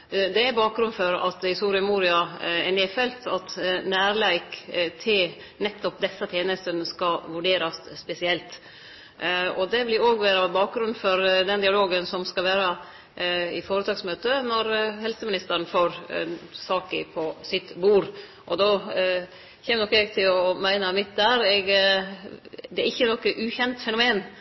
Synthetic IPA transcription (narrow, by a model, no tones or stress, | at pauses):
d̪ɛæɾbɑːk̚ɡɾʉnfɔɾɑ̰t̪ɪsuːɾɪəmuːɾɪɑɛːnɪfɛlt̪ʰɑt̪næːɾlæɪkt̪ʰɪl | nɛt̪ːɔp̚d̪ɛsːɑt̪ʰjeːnəst̪ənskɑʋʉɖeːɾɑsspɛsɪɛlt̪ | ɔd̪ɛʋɪlɪɾoːɡʋæːɾɑbɑːk̚ɡɾʉnfɔɾd̪ɛnd̪ɪɑloːɡənsɔmskɑʋæːɾɑ | ɪfoːɾət̪ʰɑːksmøːt̪ənɔɾhɛlsəmɪnɪst̪əɾɳ̩foːɾsɑːkəpʰɔsɪt̪buːɾ | ʔɔd̪o | çɛːmnɔkːɛɡt̪ʰɪlɔmæɪnəmɪt̪̚d̪æːɾɛɡ | d̪ɛæɾɪçːənɔkːəʔʉːçɛnt̪fɛnʊmeːn